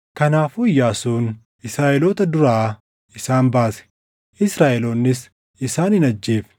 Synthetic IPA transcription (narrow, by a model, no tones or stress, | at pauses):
kɐnaːfʊjːaːsuːn | ʔɪsɾaːʔɛloːt̪ɐd̪ʊɾaː | ɪsaːnbaːsɛ̥ | ʔɪsɾaːʔɛloːnːɪs | ɪsaːnhɪnɐd͡ʒːeːfɛ̥